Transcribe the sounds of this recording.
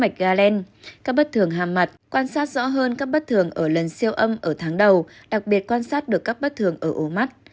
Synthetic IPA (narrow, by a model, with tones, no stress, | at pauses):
ma˨˩jk̟̚ɣaː˧lɛ˧n | kaː˦˥k̚ɓə˦˥t̚t̪ʰɨ˨˧˩əŋɦaː˨˩mːa˨˩t̚kwaː˧nsaː˦˥t̚z̥ɔ̰˧˥ɦəː˧nkaː˦˥k̚ɓə˦˥t̚t̪ʰɨ˨˩əŋʔəː˧˩lə˨˩nsi˧əwʔə˧mʔəː˧˩t̪ʰaː˨˦ŋɗə˨˩w | ɗa˨˩k̚ɓi˨˩ət̚kwaː˧nsaː˦˥t̚ɗɨ˨˩əkːa˦˥k̚ɓə˦˥t̚t̪ʰɨ˧˩əŋʔəː˧˩ʔo˨˦ma˦˥t̚